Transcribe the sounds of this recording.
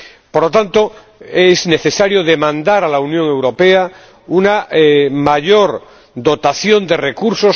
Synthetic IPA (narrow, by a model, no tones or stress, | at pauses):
poɾlot̪ant̪o | ezne̞θe̞saɾjoðemãnd̪aɾalaunjoŋe̞wɾo̞pea | unamaʎoɾ | d̪o̞t̪aθjo̞nd̪e̞rekuɾso̞s